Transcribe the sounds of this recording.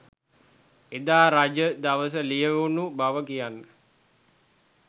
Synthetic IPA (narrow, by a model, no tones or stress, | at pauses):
ed̪aːɾad͡ʒəd̪aʋəs̬əlijəʋunubaʋəkijanːə